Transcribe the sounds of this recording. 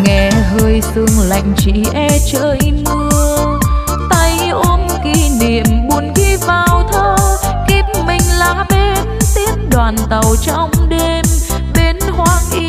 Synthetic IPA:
ŋɛ˧˩ɦəː˧jsɨ˧əŋla̰˧˨jŋ̟t͡ɕḭ˧˨ʔɛ˧t͡ɕəː˧˨jŋɨ˧ə | t̪ə˧j | ʔo˧nki˧˥ni˨˩əmɓu˧˦ənɣi˧˥vaː˨˩wt̪ʰəː˧˦ki˦˥p̚mï˨˩ŋ̟laː˧˦ɓe˧˦nt̪i˧˥əmɗwaː˨˩nt̪ə˨˩wt͡ɕɔ˧wŋ͡mɗe˧m | ɓe˨˦nhwaː˧˦ŋʔi˧

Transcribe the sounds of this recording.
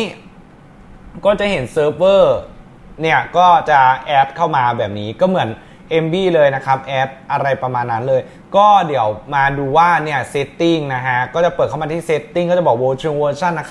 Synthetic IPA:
kɔː˥˩t͡ɕa˨˩ɦe˩˦nsɤː˦˥p̚wɤː˥˩ | ni˥˩ɐkɔː˥˩t͡ɕa˨˩ʔɛː˦˥p̚kʰa˥˩wmaː˧bɛː˨˩p̚niː˦˥kɔː˥˩mɯ˩˦ən | ʔe˧mbiː˥˩lɤː˧jna˦˥kʰa˦˥p̚ʔɛː˦˥p̚ʔa˧ɾa˧jpɾa˧maː˧nːa˦˥nlɤː˧j | kɔː˥˩di˩˦əwmaː˧duː˧waː˥˩ni˥˩ɐse˦˥t̪ːi˥˩ŋna˦˥kʰa˦˥kɔː˥˩t͡ɕa˨˩pɤː˨˩kʰma˧t̪ʰiː˥˩se˦˥t̪ːi˥˩ŋkːɔː˥˩t͡ɕa˨˩bɔː˨˩woː˧t͡ɕʰu˧ŋwɤː˧t͡ɕʰa˥˩nːa˦˥kʰ

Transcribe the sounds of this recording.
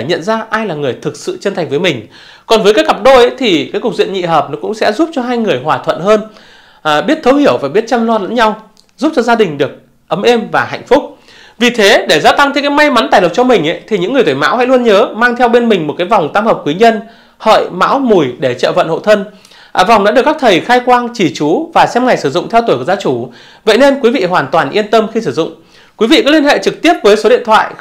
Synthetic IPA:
ɲə̰˧˨nzaː˧ʔaː˧jlaː˨˩ŋɨ˨˩əjt̪ʰɨ˨˩k̚sɨ̰˧˨t͡ɕə˧nt̪ʰa˨˩ŋ̟vəː˨˦jmï˨˩ŋ̟ | kɔ˨˩nvəː˨˦jkaː˨˦ka˨˩p̚ɗo˧ʔə˨˦jt̪ʰi˨˩kaː˨˦jkʊ˨˩k̚zwḭ˧˨ənɲḭ˧˨ɦəː˨˩p̚nɔ˨˦kʊ̰˧˥ŋ͡msɛ̰˧˥zu˦˥p̚t͡ɕɔ˧ɦaː˧jŋɨ˨˩əjɦwaː˨˩t̪ʰwə̰˧˨nhəː˧n˨˩ | ɓi˦˥ət̚t̪ʰə˨˦whi˧˩əwfaː˨˩jɓi˦˥ət̚t͡ɕa˧mlɔ˧lə̰˧˥nɲa˧w | zu˦˥p̚t͡ɕɔ˧zaː˧ɗï˨˩ŋ̟ɗɨ˨˩ək̚ | ʔə˨˦mʔe˧mvaː˨˩ha̰˧˨jŋ̟fʊ˦˥k͡p̚ | vi˨˩t̪ʰe˨˦ɗe˧˩zaː˧t̪a˧ŋʰe˧˦kaː˨˦jma˧jma˨˦nt̪aː˨˩jlə˨˩k͡p̚t͡ɕɔ˧mï˨˩ŋ̟ʔa̰˨˦jt̪ʰi˨˩ɲɨ̰˧˥ŋːɨ˨˩t̪eː˧˩jma̰ː˧˥wha̰˧˥lu˧ənɲəː˨˦maː˧ŋt̪ʰɛ˧wɓe˧nmï˨˩ŋ̟mo˨˩t̚kaː˨˦jva˨˩wŋ͡mt̪aː˧mhə˨˩p̚kwi˨˦ɲə˧n | hə̰ː˧˨jma̰ː˧˥wmu˨˩jɗe˧˩t͡ɕə̰ː˧˨və̰˧˨nho̰˧˨t̪ʰə˧n | ʔːva˨˩wŋ͡mɗɔː˨˧˦ɗkːa˦˥t̪ʰə˨˩jxaː˧jkwaː˧ŋt͡ɕi˧˩t͡ɕu˨˦vaː˨˩sɛ˧mŋa˨˩jsɨ˧˩zʊ̰˧˨ŋ͡mt̪ʰɛ˧wt̪u˨˩jkzaː˨˦t͡ɕu˧˩ | və̰˧˨jne˧nkwi˨˦vḭ˧˨ɦwaː˨˩nt̪waː˨˩nʔi˧ənt̪ə˧mxi˧sɨ˧˩zʊ̰˧˨ŋ͡m | kwi˨˦vḭ˧˨kɔ˨˦˥li˧ənhḛ˧˨t͡ɕɨ˨˩k̚t̪i˦˥əp̚vəː˨˦jso˨˦ɗḭ˧˨ənt̪ʰwa̰ː˧˨j

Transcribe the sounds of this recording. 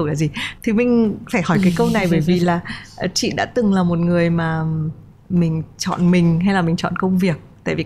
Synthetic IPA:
laː˨˩zi˨˩t̪ʰi˨˩mï˨ŋ̟faː˧˩jhɔ˧˩jkaː˨˦jkə˧wna˨˩jɓəː˧˩jvi˨˩laː˨˩˨t͡ɕḭ˧˨ɗa̰ː˧˥t̪ɨ˨˩ŋlaː˨˩mo˨˩t̚ŋɨ˨˩əjmaː˨˩ | mï˨˩ŋ̟t͡ɕɔ̰˧˨nmï˨˩ŋ̟ɦa˧jlaː˨˩mï˨˩ŋ̟t͡ɕɔ̰˧˨nkə˧wŋ͡mvi˨˩ək̚t̪a̰ː˧˨jvi˨˩

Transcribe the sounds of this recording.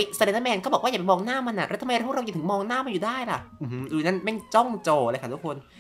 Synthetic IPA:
jsa˧˩˨e˧˩na˧˥mɛː˧nkɔː˥˩bɔ˨˩k̚wa˥˩ja˨jmɔː˧ŋnaː˥˩ma˧nʔa˨˩ʔɾa˦˥t̪ʰa˧jɾp̚ʰːt̪ʰmɔː˧ŋnaː˥˩ma˧njuː˨˩daː˥˩jla˨˩ʔu˧˩hɯ˧˥ɾuː˧na˦˥nma˥˩jt͡ɕɔ˥˩ŋt͡ɕoː˧˩˧jkʰa˥˩t̪ʰu˦˥kʰːo˧n

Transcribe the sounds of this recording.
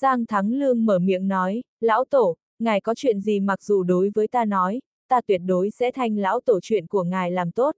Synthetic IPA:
zaː˧ŋt̪ʰa˨˦ŋlɨ˧əŋməː˧˩mḭ˧˥əŋnɔ˨˦j | la̰ː˧˥wt̪o˧˩ | ŋaː˨˩jkɔ˨˦t͡ɕwḭ˧˨ənzi˨˩ma˨˩k̚zṵ˨˩ɗo˨˦jvəː˨˦jt̪aː˧nɔ˨˦j | t̪aː˧t̪wi˧˩ət̚ɗo˨˦jsɛ̰˧˥t̪ʰa˧jŋ̟la̰ː˧˥wt̪o˧˩t͡ɕwḭ˧˨ənku˧˩əŋaː˨˩jlaː˨˩mt̪o˦˥t̚

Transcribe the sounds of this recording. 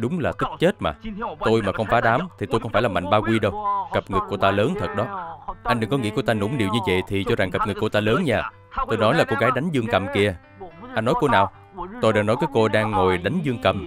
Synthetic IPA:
ɗʊ˨˦ŋ͡mlaː˨˩t̪ʰɨ˦˥k̚t͡ɕe˦˥t̚maː˨˩t̪o˧jmaː˨˩xə˧wŋ͡mfaː˨˦ɗaː˨˦mt̪ʰi˨˩t̪o˧jxə˧wŋ͡mfaː˧˩jlaː˨˩ma̰˧˨ŋ̟ɓaː˧kwi˧ɗə˧wɣə˨˩p̚ŋɨ˨˩kːu˧˩ət̪aː˧ləː˨˦nt̪ʰə˨˩t̚ɗɔ˨˦ʔa˧jnɗɨ˨˩ŋkɔ˨˦ŋḭ˧˥kət̪aː˧nṵ˧˩˦mɗi˨˩əwɲɨ˧və̰˧˨jt̪ʰi˨˩t͡ɕɔ˧za˨˩ŋkə˨˩p̚ŋɨ˨˩kːu˧˩ət̪aː˧ləː˨˦nɲaː˧˩ | t̪o˧jnɔ˨˦jlaː˨˩ko˧ɣaː˨˦jɗa˨˦jŋ̟zɨ˧əŋkə˨˩mki˧ə | ʔa˧nːɔ˨˦jko˧naː˨˩w | t̪o˧jɗaː˧ŋnɔ˨˦jkaː˨˦jko˧ɗaː˧ŋːo˨˩jɗa˨˦jŋ̟zɨ˧əŋkə˨˩m

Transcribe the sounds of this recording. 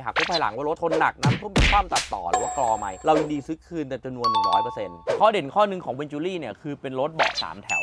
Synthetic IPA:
ɦaː˨˩k̚pʰu˥˩paː˧la̰˩˦ŋwa˧˩ɾo˦˥t̪̚ʰo˧nːa̰˨˩k̚naː˦˥mt̪ʰu˥˩˨miː˧kʰwaː˥˩mt̪a˨˩t̪̚ːɔ̰ː˨˩ɾɯ̰ː˨˩˦waː˥˩klɔː˧ma˧jɾa˧wji˧ŋdiː˧sɯ˦˥kʰɯː˧nt̪ɛː˨˩t͡ɕa˧mnu˧ənːɯ˨˩ɾɔː˦˥jpɤː˧se˧nkʰɔː˥˩de˨˩˦nkʰɔː˥˩nɯ˧ŋkʰɔː˩˦ŋwe˧nt͡ɕuː˧liː˥˩ni˥˩ɐkʰɯː˧pe˧nɾo˦˥t̪̚bɔ̰ː˨˩k̚sa̰ː˩˦mt̪ʰɛ̰˨˩˦w

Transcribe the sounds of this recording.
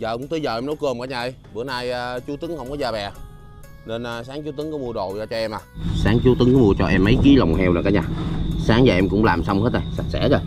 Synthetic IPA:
za̰ː˨˩kʊ˧˥ŋ͡mt̪ɨ˧˦zə̰ː˨˩ʔɛ˧mnɔ˨˦wkɨ˨˧˩əmkaː˧˦ɲaː˨˧˩ə˧jɓɨ˧˩ənaː˧jːt͡ɕu˨˦t̪ɨ˨˦ŋhə˧wŋ͡mkɔ˨˦zaː˧˩ɓɛ˨˩ | ne˧nː˨saː˨˦ŋt͡ɕu˨˦t̪ɨ˨˦ŋkɔ˨˦mu˧əɗo̰˧˨zaː˧˩t͡ɕɔ˧ʔɛ˧mʔaː˨˩saː˨˦ŋt͡ɕu˨˦t̪ɨ˨˦ŋkɔ˨˦mu˧ət͡ɕɔ˧ʔɛ˧mːə˨˦jki˨˦la˨˩wŋ͡mhɛ˧wlə˨˩kaː˨˦ɲaː˨˩saː˨˦ŋzaː˨˩ʔɛ˧mkʊ̰˧˥ŋ͡mlaː˨˩msa˧wŋ͡mhe˦˥t̚ʔa˨˩sa˨˩t̚sɛ̰˧˥za˧˩

